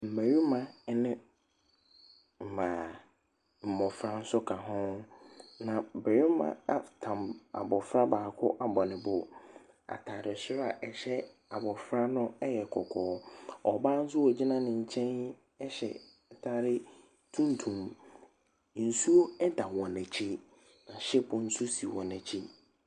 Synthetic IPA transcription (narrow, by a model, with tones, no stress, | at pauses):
m̩˨mæ̃˨ɾi˦mã˨nɪ̃˦ | m̩˨mã˨ | m̩˨mɔ̃˨fɾa˦n̩˦sʊ˦kʰa˨ɦʊ̃˦ | nã˨bɛ˨ɾɪ˦mã̰˦a˨tʰã˨ma̰˨bɔ˨fɾa˦baː˨kʰʊ˦ʔa˨bɔ˨nɪ̃˨bʊ˨ | a̰˨tʰa˨ɾɪ˨ɕɪ˦ɾa˨ʔɛ˨ɕɛ˦ | a˨bɔ˨fɾa˦nʊ̃˦ɛ˦jɛ˨kʰɔ˨kʰɔː˨˦ɔ˨baː˦n̩˦s̬ʊ˦wɔ˨d͡ʑi˦nã˦nɪ̃˨ɲ̩˨t͡ɕʰɛ̃˦n | ɛ˦ɕɛ̰˨ | tʰaː˦ɾɪ˦ | tʰũ˦n˦tʰũ˨m | n̩˨su˦o˦ɛ˦da˨wɔ̃˨næ˨t͡ɕʰi˦ | nã˨ɕɛ˦bʊ̃˨n̩˦sʊ˦si˨wɔ̃˨næ̃˨t͡ɕʰi˦